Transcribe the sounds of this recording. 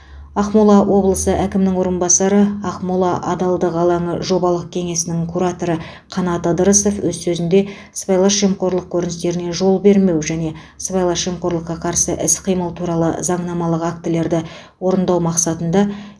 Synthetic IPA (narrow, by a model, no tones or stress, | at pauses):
ɑqmulˠɑwʔo̞blˠəsəʔækʲɪmnɪŋwo̞ɾənbɑsɑɾəɑqmulˠɑʔɑd̪ɑlˠd̪əqɑlˠɑɴəʒo̞bɑlˠəq̚kʲʰe̞ŋe̞sɪnɪŋkʰuɾat̪o̞ɾə | qʰɑnɑt̪ɑd̪əɾəso̞fwʔɵzsɵzɪnd̪e̞ | sbɑjlˠɑʃʒemqo̞ɾlˠəq̚kʲʰɵɾɪnɪst̪e̞ɾɪne̞ʒo̞lˠbe̞ɾme̞wʒæne̞ | sbɑjlˠɑʃʒemqo̞ɾlˠəqːɑqʰɑɾsə̰ʔɪsqʰijməlˠt̪ʰuɾɑlˠə̰zɑɴnɑmɑlˠəqak̚t̪əle̞ɾd̪ɪ | wo̞ɾənd̪ɑwmɑqsɑt̪ənd̪ɑ